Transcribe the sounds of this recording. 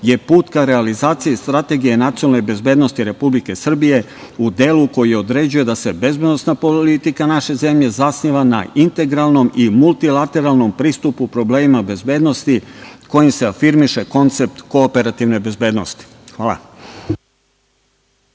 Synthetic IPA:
je̞puːt̪kaɾe̞alizaːt̪sijest̪ɾat̪e̞ɡije̞nat̪sionalnebe̞zbe̞ːd̪no̞st̪iɾe̞publike̞sr̩bije̞ | ud̪e̞ːluko̞jijeo̞d̪ɾe̞d͡ʑuje̞d̪ase̞be̞zbe̞d̪nosnapo̞lit̪ikanaʃe̞ze̞mʎe̞zasniʋana̰int̪e̞ɡɾalˠno̞mimulˠt̪ilat̪e̞ɾalˠno̞mpɾiːst̪upupɾo̞ble̞ːmimabe̞zbe̞ːd̪no̞st̪iko̞jimse̞afiɾmiʃe̞ko̞nt̪se̞p̚t̪ko̞ːpe̞ɾat̪iʋne̞be̞zbe̞ːd̪no̞st̪i̥ | xʋaːlˠa̰

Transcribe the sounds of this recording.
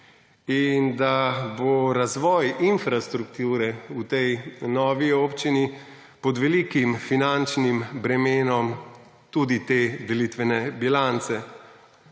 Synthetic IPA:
ind̪aboɾazʋɔːjinfɾast̪ɾukt̪uːɾɛut̪ɛjnɔːʋioːpt͡ʃini | pɔd̪ʋɛlikimfinant͡ʃnimbɾɛmeːnɔm | t̪uːd̪it̪eːd̪ɛlit̪ʋɛnɛbilant̪sɛ

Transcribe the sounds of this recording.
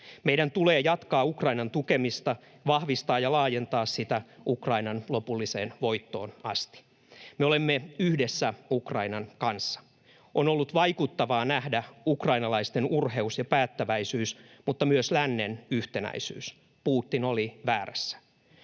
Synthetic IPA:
meidænt̪uleːjɑt̪kɑːukrɑinɑnt̪ukemist̪ɑ | ʋɑhʋist̪ɑːjɑlɑːje̞nt̪ɑːssit̪æʔukrɑinɑnlo̞pulːise̞ːnʋo̞it̪ːo̞̰ːnɑst̪i̥ | meo̞lemːeyhdesːæukrɑinɑnkɑnsːɑ̥ | ʔonolːut̪ʋɑikut̪ːɑʋɑːnæhdæukrɑinɑlɑist̪enʔurɦe̞usjɑpæːt̪ːæʋæisyːsmut̪ːɑmyøslænːenyht̪enæ̰isy̰ːs | puːt̪ːino̞liʋæːɾæsːæ̥

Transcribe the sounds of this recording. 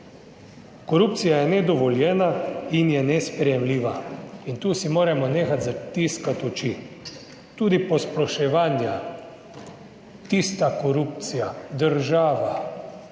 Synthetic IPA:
kɔɾuːp̚t̪sijajɛnɛd̪ɔʋɔljɛːnainjɛnɛspɾɛjɛmliːʋaint̪uːsimoːɾɛmɔneːxat̪zat̪iskat̪ɔt͡ʃi | t̪uːd̪ipɔsplɔʃɛʋaːnja | t̪ist̪akɔɾuːpt̪sijad̪əɾʒaːʋa

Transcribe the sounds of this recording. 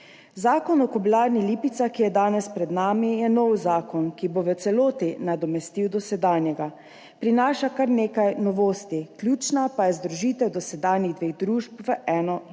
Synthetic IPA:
zaːkɔnɔkɔblaːɾniliːpit̪sakijɛd̪aːnɛspɾɛd̪naːmijɛnɔwzaːkɔnkiboʋət̪sɛloːt̪inad̪ɔmɛst̪iwd̪ɔsɛd̪aːnjɛɡa | pɾinaːʃakaɾneːkajnɔʋoːst̪iklʲjuːt͡ʃnapajɛzd̪ɾuʒiːt̪ɛwd̪ɔsɛd̪aːnjiɣd̪ʋeːɣd̪ɾuːʃpʋəʔɛːnɔ

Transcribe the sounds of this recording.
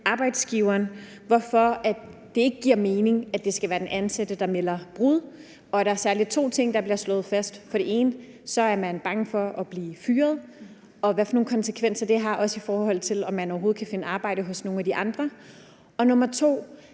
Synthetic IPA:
ʔɑ̈ːb̥ɑ̈ɪ̰d̥sɡ̥iʊɐːn | ʋɒfɒ̽æ̥d̥e̝e̝ɡ̥əɡ̥iɐ̰me̝ːne̝ŋæd̥e̝sɡ̥æʋæːɐd̥enʔænsed̥əd̥ɑ̈melɐb̥ʁuð̰ˠ | ɒ̽ɾ̥ɑ̈æɐsæɐlid̥̚t͡sʰo̝̰ːt͡sʰe̝ŋ̰d̥ɑ̈b̥liɐslɔ̽ːð̞̩ˠfæsd̥fɒɾ̥e̝e̝ːnə | sɒ̽æɐmænb̥ɑ̈ŋəfɒ̽ʔɒb̥liːfyːɐð̞̩ˠ | ɒ̽ʋæfɒ̽no̝ːn̩kʰɒ̽nsəkʰʋen̰sɐd̥e̝ɦɑ̈ʔɒ̽sifɒːhɒ̽l̰t͡sʰe̝lɒ̽mːænɒʊɐɦo̝ð̩ˠkʰæfe̝nəɑ̈ːb̥ɑ̈ɪ̰ɾ̥əɦɔ̽sno̝ːnæd̥iʔɑ̈nd̥ʁɐ | ɒ̽nɔ̽mɐt͡sʰo̝̰ː

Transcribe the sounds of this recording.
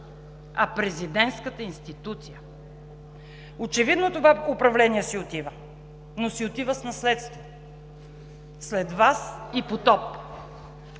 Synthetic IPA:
ɐpɾɛzid̪ɛnt̪skət̪əinst̪it̪ut̪sijə | ot͡ʃɛvid̪not̪ovaʊpɾɐvlɛnijɛsiot̪ivə | nosiot̪ivəsnɐslɛt̪st̪vo | slɛd̪vasipot̪ɔp

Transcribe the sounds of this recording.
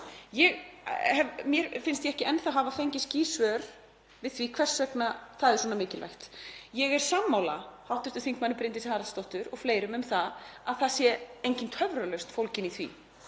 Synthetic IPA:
jɛɣhɛvmjɛɾfɪnst̪jɛhcɪʔɛnθawɦaːvaθejɲcɪsciːsvœːɾ̥ | vɪðθvikʰvɛr̥sːœknaθaðɛɾ̥swɔnamɪːcɪlva̰jxt̪jɛɣɛɾ̥samːawla̰hawht̪ʏɾ̥t̪ʏθiŋkmanːɪɾpɾɪnt̪ɪshaːɾast̪ɔht̪ʏɾɔɣfleːjɾʏmʏmθaðaðθasjɛejɲcɪnt̪ʰœvɾalœɥst̪fowlcɪniθvḭ

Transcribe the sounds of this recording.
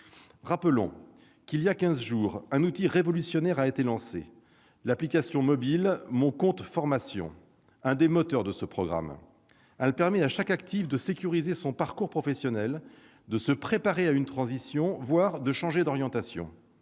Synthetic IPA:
ʁapəlɔ̰̃ | kiljakʲɛ̃zʒuːʁɛ̃nut̪iʁevɔlysjɔnɛʁaet̪elɑ̃sḛ | laplikasjɔ̃mɔbilmɔ̃kɔ̃t̪fɔʁmasjɔ̰̃ | ɛ̃d̪emɔt̪œʁd̪əsəpχɔɡʁa̰m | ɛlpɛʁmɛaʃakakt̪ifd̪əsekʲyʁizesɔ̃paʁkuʁpχɔfɛsjɔnɛl | d̪əsəpχepaʁeaynt̪χɑ̃zisjɔ̃vwaʁd̪əʃɑ̃ʒed̪ɔʁjɑ̃t̪asjɔ̰̃

